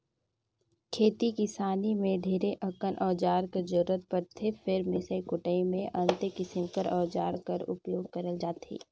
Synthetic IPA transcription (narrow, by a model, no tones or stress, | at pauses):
kʰeːt̪ikɪsaːnimẽɖʱeːɾeʔɐkənʔɔːd͡ʒaːɾkəd͡ʒʊɾət̪̚pəɾt̪ʰːefʰɪɾmɪsəikʊʈəimẽʔɐ̃nt̪ekɪsɪmkəɾʔɔːd͡ʒaːɾkɐɾʊ̰pjoːɡ̚kəɾəld͡ʒaːt̪ḭː